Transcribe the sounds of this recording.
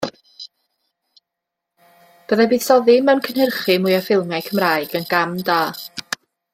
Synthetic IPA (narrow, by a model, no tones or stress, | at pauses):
b̥əðabiːð̥sɔðɪmɛwnkʰənhərχɨmʊjəfɪlˠmɛkʰəmraːɨɡənɡ̥amdaː